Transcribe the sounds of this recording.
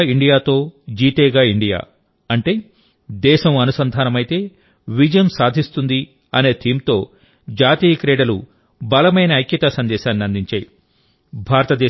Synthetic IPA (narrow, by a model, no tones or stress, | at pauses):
iɳɖijaːt̪o̞ːd͡ʒiːʈeːɡaːiɳɖija̰ː | ɐɳʈeː | d̪ɛːʃɐmɐnusɐnd̪ʱaːnɐmɐjt̪e̞ː | ʋid͡ʒɐjɐmsaːd̪ʱist̪und̪i | ɐne̞ːt̪ʰiːmt̪o̞ː | d͡ʒaːt̪iːjɐkɾeːɽɐlu | bɐlɐmɐjnɐːjkjɐt̪aːsɐnd̪ɛːʃaːnːiɐnd̪ʱiɲt͡ʃaːji | bʱaːɾɐt̪ɐd̪ɛː